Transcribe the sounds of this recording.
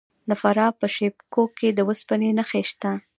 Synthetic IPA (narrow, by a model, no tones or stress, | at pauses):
d̪əfaɾɑpəʃepkokːed̪əwəspənenəxeʃt̪a